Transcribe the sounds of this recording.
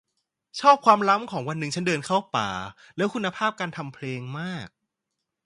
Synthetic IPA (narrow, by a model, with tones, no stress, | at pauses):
t͡ɕʰɔː˥˩p̚kʰwaː˧mla˦˥mkʰɔː˩˦ŋwa˧nːɯ˨ŋt͡ɕʰa˦˥ndɤː˧nkʰa˥˩wpa̰ː˨˩lɛː˦˥wkʰu˧nːa˧pʰaː˥˩p̚kaː˧nt̪ʰa˧mpʰleː˧ŋmaː˥˩k̚